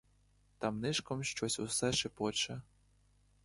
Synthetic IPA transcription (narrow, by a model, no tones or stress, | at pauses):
t̪ɑmnɪʃkɔmʃt͡ʃɔsʲʊsɛʃɪpɔt͡ʃɐ